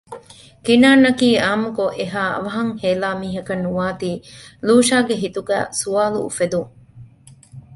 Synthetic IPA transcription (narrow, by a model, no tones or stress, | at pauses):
kinaːnːɐkiːaːmukoʔeɦaːɐ̰ʋɐɦɐŋheːlaːmiːɦɐkɐnːuʋaːt̪iːluːʃaːɡeɦit̪uɡæ̰ːsuaːlṵːfed̪uŋ